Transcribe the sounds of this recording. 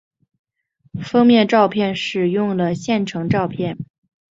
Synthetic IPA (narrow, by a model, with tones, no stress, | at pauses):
fɤ˥ŋmjɛ˥˧nʈ͡ʂɑ˥˧ʊpʰjɛ˥˧nʂɻ̩˥˧˩jʊ˥˩ŋlə˩ɕjɛ˥˩nʈ͡ʂʰɤ˧˥ŋʈ͡ʂɑ˥˧ʊpʰjɛ˥˩n